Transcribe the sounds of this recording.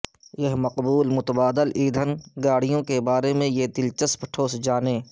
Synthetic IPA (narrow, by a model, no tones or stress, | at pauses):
jɐɦmɐqbuːlmʊt̪əbaːd̪əliːd̪ʱənɡaːɽ̤ijõkebaːɾemẽjed̪ɪlt͡ʃəspə̥ʈʰoːsd͡ʒaːneː